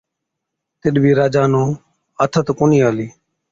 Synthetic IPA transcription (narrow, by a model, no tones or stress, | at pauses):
t̪ɪɗbʱiːɾaːd͡ʒaːnõː | ət̪ʰət̪koːniːaːliː